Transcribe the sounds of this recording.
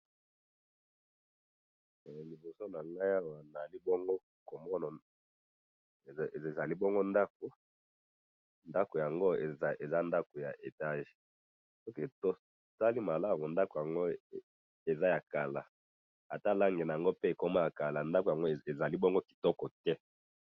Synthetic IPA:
li˨bo˨so˦na˨ŋɡa˦ja˦wa˨na˨li˦bɔ˦ŋɡo˦ | ko˨mɔ˦na˨ | za˨li˦bɔ˦ŋɡo˦nda˦k̚o˨ | nda˦ko˨ja˨ŋɡo˦˨˦e˨za˦nda˦ko˨ja˨ʔe˨ta˦ʒe̥˨ | sɔ˦ke˨to˦ | sa˦li˦ma˨la˦mu˨nda˦ko˨ja˨ŋɡo˦ | e˨za˦ja˨ka˨la˨ | a˨ta˦˨la˦ŋɡe˨na˨a˨ŋɡo˦pe˦e˨ko˦ma˦ja˨ka˨la˨nda˦ko˨ja˨ŋɡo˦˨e˨za˨li˦bɔ˦ŋɡo˦ki̥˨tɔ˦kɔ˨tɛ˦

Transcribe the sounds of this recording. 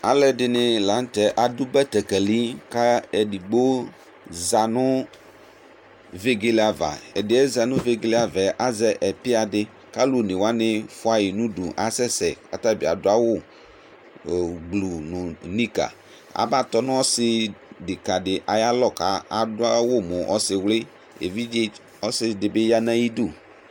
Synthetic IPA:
a˨lɛ˦dɪ˨nɪ̃˨la˨˦n̩˦t̪ɛ˨ʔa˨du˦bɛ˦t̪ɛ˨kɛ˨li˦ka˦ɛ˨di˨ɡ͡bo˦ | za˨nʊ̃˦ | ve˦ɡe˦li˦a˨va̰˨ɛ˨dɪ˨ɛ˦za˨nʊ̃˦ve˦ɡe˦li˦a˨vɛ˨ʔa˦zɛ˦ʔɛ˨pɪ˦a˨dɪ˦ | ka˦lu˨nɪ̃˨wa˦nɪ̃˦fʊ˦a˦ji˨nũ˦dṵ˨ʔa˨sɛ˦sɛ̰˨a̰˨ta˦˨bi˨a̰˨dʊ˦a˦wʊ˦˨ | ɡ͡blu˨nʊ˨nĩ˦ka̰˨ | a̰˨ba˦t̪ɔ˦nʊ̃˦ɔ˦sɪ˦dɪ˨ka˨dɪ˨ʔa˨ja˦lɔ˦ka˨a˨dʊ˦a˦wʊ˦mʊ̃˨ʔɔ˦sɪ˨wlɪ˦ | ḛ˨vi˦d͡ʒɪ˦ | ɔ˦sɪ˦dɪ˨bɪ˦ja˦nã˦ji˦du˦˨

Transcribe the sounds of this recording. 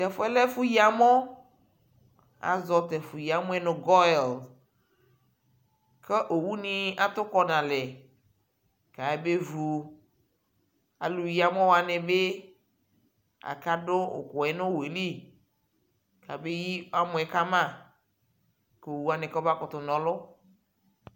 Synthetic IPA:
t̪ɛ˨fo˦ɛ˦lɛ˦fu˦ji˦a˨mɔ̃˦ | a̰˨zɔ˨t̪ɛ˨fu˨ji˨a˨mõ˦ɛ˦nõ˨ɡɔ˦˨l | ke˦ʔo˨wu˦nĩ˨a˦t̪o˦kɔ˦nã˨lɛ˨ | ka˨e˦be˦vu˨ | a̰˨lu˨ji˦a˦mẽ˦wo˨a˨ne˨be˦ | a̰˨ka˦ɖʊ˦o̰˨kʊ˨ɛ˨nʊ̃˦we˨li˦ | ka˨be˦ji˦a˦mʊ̃˦ɛ˨ka˦mã˦˨ | ke˨o˨wu˦a˦˨nɛ̃˨kba˦kʊ˨t̪ʊ˨nɔ̃˨lʊ˦

